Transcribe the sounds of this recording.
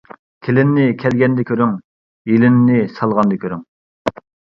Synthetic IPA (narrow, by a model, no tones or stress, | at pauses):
kʲʰelɪnːɪkʲʰɛlɡʲɛnd̪ɛkʲʰøɾyŋ | elɪnːɪsɑlˠʁɑnd̪ɛkʲʰøɾyŋ